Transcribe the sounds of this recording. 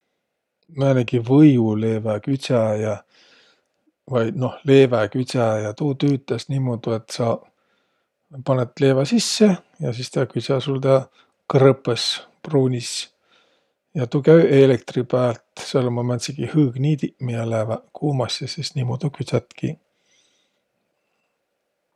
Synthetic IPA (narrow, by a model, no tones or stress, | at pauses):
mæneɡivɤjule̞ːvækyt̪ʲsæjɑ | vɑjd̪̥no̞hle̞ːvækysʲæjɑt̪uːt̪yːt̪ːˑesnʲiːmod̪̥ue̞t̪ːsɑ | pɑnet̪le̞ːvɑsisːe | jɑsist̪ɑkyt̪sʲæsuld̪ɑ | krɤpːˑes | pruːnʲis | jɑt̪ukæyʔelekt̪ripæːlt̪selːomɑmæt̪siɡihɯːɡ̥nʲiːt̪imiɑlæːvækʰuːmɑsjɑsisnʲiːmod̪̥ukyt̪sʲæt̪kḭ